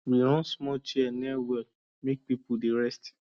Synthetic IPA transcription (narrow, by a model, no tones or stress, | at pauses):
wiɾɔ̃nsmɔt͡ʃiɛnɛawɛl | mek̚pipudeɹɛst